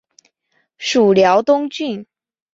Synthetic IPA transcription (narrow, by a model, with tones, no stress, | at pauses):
ʂu˨˩ljɑ˧˥ʊt̪ʊ˥ŋt͡ɕy˥˩n